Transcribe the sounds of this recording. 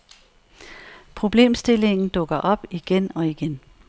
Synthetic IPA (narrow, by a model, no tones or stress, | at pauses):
pʰʁo̝b̥le̝̰ːmsd̥e̝le̝ŋn̩d̥ɔ̽ɡ̥ɐʔɒ̽b̥iɡ̥enɒ̽iɡ̥en